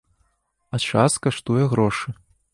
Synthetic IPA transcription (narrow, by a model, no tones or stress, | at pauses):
at͡ʂaskaʂt̪ujɛɣɾɔʂɨ